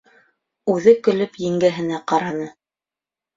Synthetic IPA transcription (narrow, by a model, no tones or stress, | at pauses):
ʉðɘkɵ̆lɵpjɘ̆ŋɡæɦɘ̆næqɑɾɑnɤ